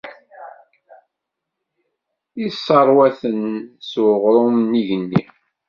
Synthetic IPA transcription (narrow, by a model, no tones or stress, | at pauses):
isːɑɾˤwæθənsuʁɾˤʊmniʝənːi